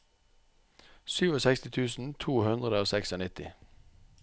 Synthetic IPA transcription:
syːʋɔsɛkst̪ɪt̪ʰʉːsn̩t̪ʰuːhʉnd̪ʁəd̪əoːsɛksɔnɪt̪ɪ̰

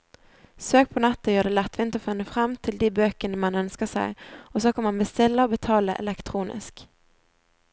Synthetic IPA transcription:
søːk̚pʰɔnɛt̪ːəjøːɖ̪ɛːlɛt̪ːʋɪnt̪əfʏnːəfɾɑmːt̪ʰɪld̪iːbøːkənəmɑnœnskəsæ̰ɪɔsɔkʰɑmɑnbəst̪ɪlːəɔbɛt̪ʰɑːləʔɛ̰lɛkt̪ʰɾuːnʔɪ̰sk

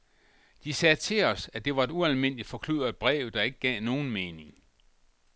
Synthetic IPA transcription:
d̥isɛːt͡sʰe̝lɒ̽sæd̥e̝ʋɑ̈e̝duælme̝n̰li̥fɒ̽kʰlyð̰ˠɐð̥ˠb̥ʁɛ̰ːʊd̥ɑ̈e̝ɡ̥əɡ̥ɛ̰ːno̝ːn̩meːne̝ŋ

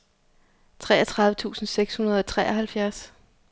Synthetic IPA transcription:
t͡sʰʁɛ̰ːɐt͡sʰʁɑ̈ð̞ˠʋət͡sʰṵːsn̩seɡ̥shunɐð̞ˠɒ̽t͡sʰʁɛːɒɦælfjæɐs

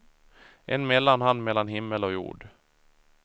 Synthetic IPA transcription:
ʔɛnmɛlːanhand̪mɛlːanɦɪmːəlɔjṵːɖ

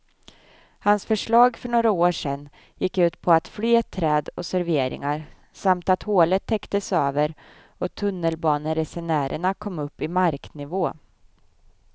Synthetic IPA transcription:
hansfœʂɭɑːɡfœɳoːɾaoːʂɛnː | jɪkːʉ̟ːt̪pʰɔat̪flyːɛt̪ʰːɾɛːd̪ɔsæɾveːɾʔɪ̰ŋaɾ | samt̪at̪hoːlət̪ʰːɛkt̪əsøːvəɾ | ɔt̪ʰɵnːəlbɑːnəɾɛsɛnæːɾʔə̰ɳakʰɔmːɵpːɪmaɾknɪvoː

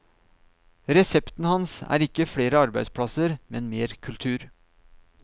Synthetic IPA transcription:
ɾɛsɛpt̪n̩hɑnsæ̰ːɾɪkːəfɽeːɾəɑɾbæɪspʰɽɑsəɾmɛnmeːɾkʰʉlt̪ʰʉːɾ

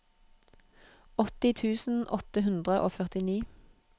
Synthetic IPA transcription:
ɔt̪ɪt̪ʰʉːsn̩ʔɔt̪əhʉnd̪ʁəʔo̰ːfœʁt̪ɪniː

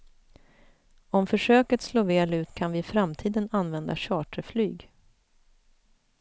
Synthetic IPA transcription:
ɔmfœʂøːkət̪sloːveːlʉ̟ːt̪kʰanvɪfɾamt̪ʰiːd̪ənanvɛnd̪a̰ɕɑːʈəflyːɡ

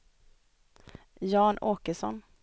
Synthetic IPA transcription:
jɑːnʔoːkəʂɔ̰n

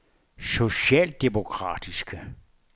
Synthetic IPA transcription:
so̝ɕɛ̰ːld̥emo̝kʰʁɑ̰̈ːd̥isɡ̥ə

